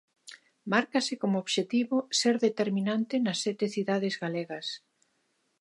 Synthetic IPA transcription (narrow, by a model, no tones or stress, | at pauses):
maɾkasɪkomooβʃet̪iβoseɾðet̪eɾminant̪ɪnɐsːɛt̪eθiðaðɪzɣaleɣɐs